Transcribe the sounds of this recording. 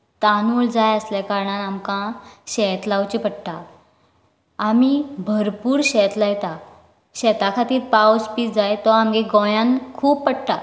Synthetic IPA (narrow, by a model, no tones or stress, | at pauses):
t̪anuːld͡zajəslɛkaɾɳanamkãɕɛt̪lawt͡ɕipəʈʈa | amibʱəɾpuːɾɕɛt̪lajt̪a | ɕɛt̪akʰat̪iːɾpawspiːd͡zajt̪ɔamɡeɡɔ̃jãnkʰuːppəɽʈa